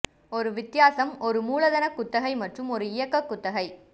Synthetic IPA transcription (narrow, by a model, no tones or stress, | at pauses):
ɔɾɯʋɪt̪ːɪjaːsɐmɔɾɯmuːlɐðɐnɐkːʊt̪ːɐɣɐɪmɐʈrɯmɔɾɯɪjɐkːɐkːʊt̪ːɐɣɐɪ